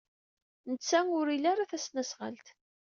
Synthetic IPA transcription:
nət͡sːæʊɾilaɾaθæsnæsʁə̰lt̪

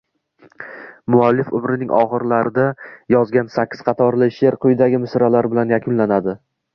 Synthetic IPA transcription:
mʊalːɪfʊmɾɪnɪŋʲʔɒ̰χɨɾlaɾɪd̪ajɒzɡʲansakʲʰːɪ̥z̥qʰɑt̪ʰɒɾlɪʃeɾqʰʊjd̪aɡʲɪmɪsɾalaɾbɪlanjakʰʊnlanad̪ɪ

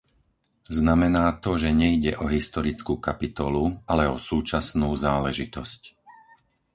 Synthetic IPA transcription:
znamɛnaːt̪ɔʒɛɲɛiɟɛʔɔɦist̪ɔɾit͡skuːkapit̪ɔlualɛɔsuːt͡ʃasnuːzaːlɛʒit̪ɔsc

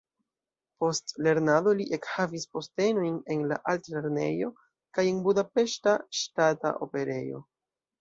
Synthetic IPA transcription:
po̞stle̞ɾnado̞liʔe̞khavispo̞ste̞no̞jne̞nla̰ʔaltle̞ɾne̞jo̞ | kaje̞nbudape̞ʃtaʃtata̰ʔo̞̰pe̞ɾe̞̰jo̞̰

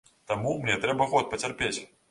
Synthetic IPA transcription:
t̪amumnʲɛt̪ɾɛbɐɣɔt̪̚pɐt͡sʲarpʲet͡sʲ

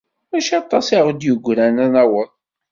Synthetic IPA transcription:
æʃɑt̪ˤːɑsiʁd̪jəɡʷɾænænæwəðˤ

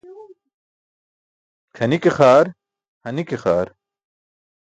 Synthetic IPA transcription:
kʰɐnikexaːɾ | hɐnikexaːɾ

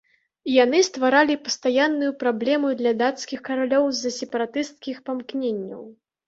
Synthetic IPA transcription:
ijanɨst̪vaɾalʲipɐst̪ajanːujupɾablʲɛmud̪lʲɐd̪at̪skʲixkɐɾalʲɔwzɐsʲɛpɐɾat̪ɨst̪̚kʲixpamknʲenʲːɐ̰w

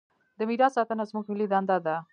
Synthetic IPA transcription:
d̪əmiɾaːsat̪ənazmukmilid̪and̪ad̪a

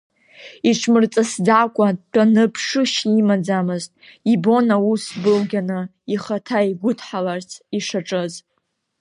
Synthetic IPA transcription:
iʈ͡ʂʰmɨrt͡sʼasd͡zakʷʼad̚tʷʰʼanɨpʰʂɨʃimad͡zamɨztʼibo̞nausbɨlɡʲanɨ | iχatʰaiɡʷʊtʰħalart͡sʰiʂaʈ͡ʂʼɨz

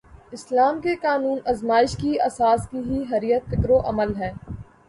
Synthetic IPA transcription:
ɪslaːmkekaːnuːnɐzmaːɪʃkiɐsaːskiɦiɦɐɾijət̪fɪkɾoʔɐməlɦɛː

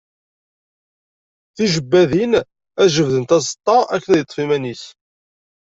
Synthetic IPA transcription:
θiʒəbːæðin | æʒəvðənt̪æzˤət̪ˤːɑækːənæðjət̪ˤːfimænis

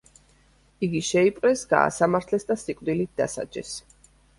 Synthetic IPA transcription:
iɡiʃɛipʼqʼɾɛsɡa̰ːsamaɾt̪ʰlɛsd̪asikʼwd̪ilit̪̚d̥̪a̰sa̰d͡ʒɛ̰s

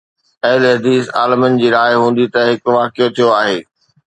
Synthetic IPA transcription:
ɐɦlɦɐd̪iːsa̰ːlɪmənɪ̆d͡ʑiːɾaːɪɦũːnd̪it̪ɐɦɪkʋaːkɪjot̪ʰijoaːɦeː

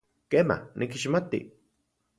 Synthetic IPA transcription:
keːma̰nʔikiʃmat̪ḭ

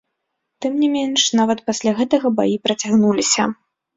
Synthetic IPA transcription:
t̪ɨmnʲimʲenʂn̪avɐt̪̚pasʲlʲaɣɛt̪ɐɣɐba̰jipɾɐt͡sʲaɣnulʲisʲɐ

